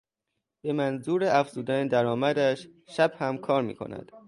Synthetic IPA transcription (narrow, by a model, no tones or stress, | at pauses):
b̥e̞mænzuːɾeʔæfz̥uːd̪æned̪æɾɒːmæd̪æʃʃæb̥hæmkʰɒːɾmḭːkʰo̞̰næ̰d̪̥